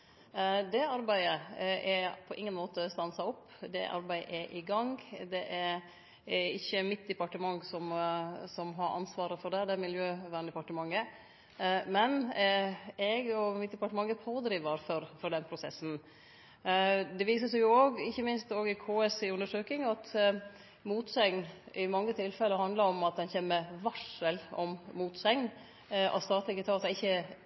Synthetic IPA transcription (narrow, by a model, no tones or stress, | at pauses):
d̪ɛɑɾbæɪəɛpʰɔʔɪŋːənmoːt̪əst̪ɑnsɑɔpːd̪ɛ̰ʔɑ̰ɾbæɪʔɛʔɪɡɑŋd̪ɛʔɛɾ | ɪçːəmɪt̪̚d̪ɛpɑʈəmɑŋsɔmsɔmɦɑɾɑ̰nsʋɑːɾəfɔɖɛd̪ɛmɪljøːʋæːɳd̪əpɑʈəmɑŋːə | mɛn | ɛɡɔmɪt̪̚d̪ɛpɑʈəmɑŋːəpʰoːd̪ɾiːʋəɾfɔɾfɔɖɛnpʰɾʊsɛsːn̩ | d̪ɛʋiːs̬əsɛjʊoːɡɪçːəmɪnst̪oːɡɪkʰoːɛsɪʉnd̪əʂøːkɪŋɑt̪ | muːt̪sɛŋnʔɪmɑŋːət̪ʰɪlfɛlːəhɑnd̪ləɾɔmɑt̪̚d̪ɛnçeːmːəʋɑʂəlɔmmuːt̪sɛŋn | ʔɑ̰t̪st̪ɑːt̪lɪkət̪ʰɑːsɛɪçːə